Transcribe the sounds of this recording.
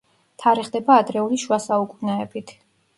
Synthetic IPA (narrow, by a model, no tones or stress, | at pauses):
t̪ʰaɾiχd̪ɛbaːd̪ɾɛuliʃwasaukʼunaɛbit̪ʰ